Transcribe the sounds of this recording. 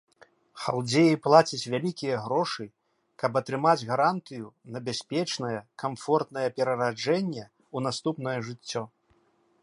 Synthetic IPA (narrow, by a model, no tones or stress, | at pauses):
xa̰lˠd͡zʲejiplˠat͡sʲit͡sʲvʲalʲikʲijɐɣɾɔʂɨ | kɐbɐt̪ɾɨmad͡zʲɣaɾant̪ɨjunɐbʲasʲpʲɛt͡ʂnɐjɐkamfɔrt̪nɐjɛpʲɛɾɐɾad͡ʐɛnʲːɛ | unast̪upn̪ɐjɐʐɨt͡sʲːɔ